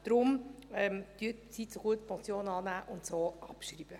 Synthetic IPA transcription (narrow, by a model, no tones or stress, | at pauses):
d̥ɾʊmɛmd̥̪yətt͡sitt͡soɡ̥uətpʰɔt͡sjoːnɑːnæːʔʊnt̪soːʔɑpʃriːb̥ə